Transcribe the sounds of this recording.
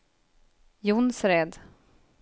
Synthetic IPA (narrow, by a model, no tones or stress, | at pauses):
jʊnsɾɛd̪